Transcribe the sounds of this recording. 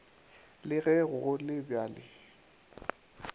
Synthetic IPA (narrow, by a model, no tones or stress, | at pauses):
lɪɣɛɣʊɣʊlɪbjaːlɪ̰